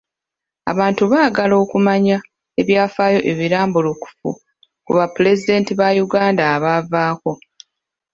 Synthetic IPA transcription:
a̰βaːntuβaːɡalo̞ːkumaɲa | e̞βjaːfaːjo̞ʔe̞βiɾaːmbuluku̥fṵ | kṵβapule̞zide̞ːntiβajuɡaːndaːβavaːko̞

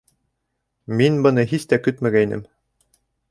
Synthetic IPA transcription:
minbɤ̆nɤɦist̪ækɵt̪mæɡæinɘ̰m

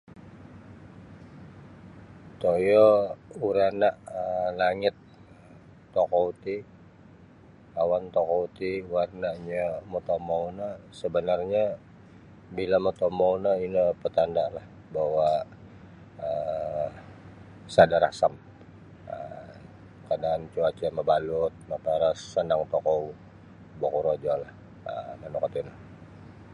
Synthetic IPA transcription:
t̪ojɔuɾanaʔəlaŋɪt̪̚ː | okɔut̪i | awant̪okɔut̪iwarnaʔɲamot̪omawnasəbənarɲa | bilamət̪omonəinəpət̪andalah | bawa | ə | sadaɾa̰sam | ə | kadaːnt͡ʃuat͡ʃaməbalʊt̪̚mapaɾasːənaŋt̪ɔkɔu | bokuɾod͡ʒɔlah | ənanukɔt̪inə

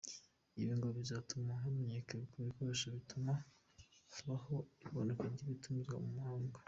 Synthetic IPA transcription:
iβiŋɡoβizatumaɦameɲekekuβikoɾeʃaβituma | haβaho̞iβonekaɾɟiβitumizɡwa̰mumuhaːŋɡo

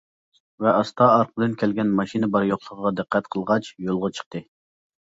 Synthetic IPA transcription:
vɛʔɑst̪ʰɑɑɾqʰəd̪ɨnkʲʰɛlɡʲɛnmɑʃinɨbɑɾjoχlˠəʁʁɑd̪ɨqʰːɛt̪qʰəlˠʁɑt͡ʃjolˠʁɑt͡ʃʰə̥q̚t̪ʰɨ

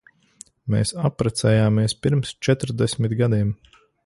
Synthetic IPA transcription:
mḛːsapːɾat̪sɛjaːmiɛspiɾmst͡ʃɛt̪ɾd̪ɛsʲmit̪ɡad̪iɛm

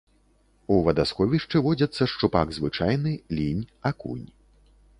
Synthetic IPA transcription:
uvɐd̪askɔvʲiʂt͡ʂɨvɔd͡zʲɐt̪sːɐʂt͡ʂupaɡzvɨt͡ʂajnɨlʲinʲakṵnʲ

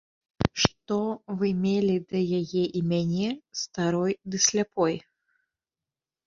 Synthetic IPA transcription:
ʂt̪ɔvɨmʲelʲid̪ɐjajɛʔimʲanʲɛst̪aɾɔjd̪ɨsʲlʲapɔj

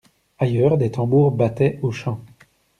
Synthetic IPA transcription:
ajœʁd̪et̪ɑ̃buʁbat̪ɛʔoʃɑ̃

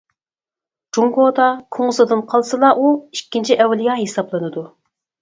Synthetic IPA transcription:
d͡ʒuŋɡod̪ɑkʰoŋʊzɨd̪ɨnqʰɑlˠsɨlˠɑʔuikʲːint͡ʃʰiʔɛwːɪlɪjɑɦesɑblˠɨnɨd̪u

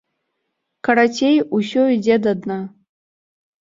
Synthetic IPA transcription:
kʰaɾatʰejuʃoidʲedadna

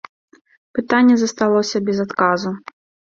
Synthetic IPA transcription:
pɨt̪anʲːɛzɐst̪alˠɔsʲɐbʲɛzat̪kazu

